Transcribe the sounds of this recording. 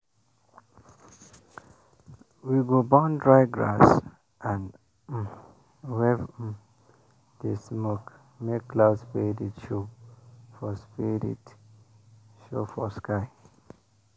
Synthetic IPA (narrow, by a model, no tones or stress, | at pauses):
wiɡobɔ̃ndɹaɪɡɹa̰s | ʔãn | wɛv | desmok | mekːlaʊdspeditʃo | fɔspiɾḭt | ʃo̰fɔskaɪ